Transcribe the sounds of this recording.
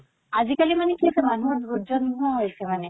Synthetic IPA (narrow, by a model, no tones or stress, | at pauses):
azikalimanɛkiasɛmanuɹud͡ʒɔnɔɦojsɛmanɛ